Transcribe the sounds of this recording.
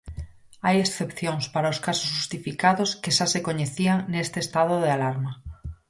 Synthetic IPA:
ajesθepθjoŋspaɾaoskasosʝust̪ifikaðoskeʃasekoɲeθiaŋnest̪eːst̪að̞oðealaɾma

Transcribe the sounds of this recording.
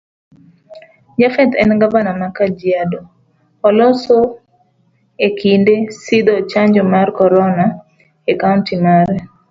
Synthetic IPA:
d͡ʒafɛt̪ɛnɡabanamakad͡ʒiadɔ | ɔlɔso | ekʰindesid̪ɔt͡ʃaɲd͡ʒɔmarkɔɾɔna | ekaʊntimaɾɛ

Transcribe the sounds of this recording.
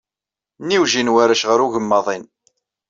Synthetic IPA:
niwʒinwæɾæʃʁəɾuʝəmːɑðˤin

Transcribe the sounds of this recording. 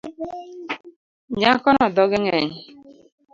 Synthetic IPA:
ɲakɔnɔdɔɡeŋeɲɪ

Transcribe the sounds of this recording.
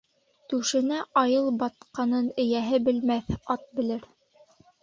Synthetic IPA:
t̪ʉʃɘ̆næɑjɤlˠbɑt̪̚qɑnɤnɘ̆jæɦɘbɘ̆lmæθɑt̪̚bɘ̆lɘɾ

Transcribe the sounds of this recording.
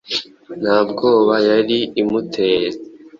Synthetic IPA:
n̥haːbɡo̞ːβajaɾiːmutʰeːɾa

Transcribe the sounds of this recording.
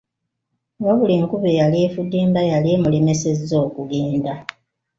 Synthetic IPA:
woβuliŋkuβejalifudːiːmbajalimuleme̞sezo̞ːkuɡeːnda

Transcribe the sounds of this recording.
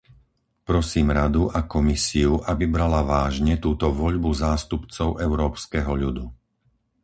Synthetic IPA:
pɾɔsiːmɾad̪uʔakɔmisiuʔabibɾalaʋaːʒɲɛt̪uːt̪ɔʋɔʎbuzaːst̪upt͡sɔʊʔɛʊɾɔːpskɛɦɔʎud̪u

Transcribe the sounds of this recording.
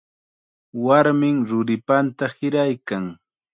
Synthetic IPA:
waɾmɪŋɾʊɾɪpant̪ahɪɾajkaŋ

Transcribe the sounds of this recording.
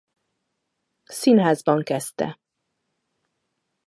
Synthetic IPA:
sinɦaːzbɒŋkɛst̪ɛ̰

